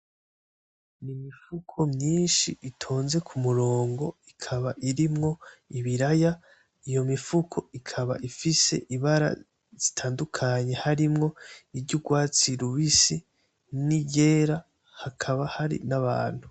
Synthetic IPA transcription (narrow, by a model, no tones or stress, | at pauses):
nimifukʰo̞mɲiːnʃiʔitʰo̞ːnze̞kʰumuɾo̞ːŋɡo̞ikʰaβaʔiɾimŋo̞iβiɾaja | ijo̞mifukʰo̞ikʰaβa̰ʔifise̞̰ʔiβaɾa̰ | z̥itʰaːndukʰaɲe̞haɾimŋo̞ibɟuɡwaːt͡siɾuβisi | niɟe̞ːɾa | hakʰaβahaɾḭnaβa̰ːn̥hu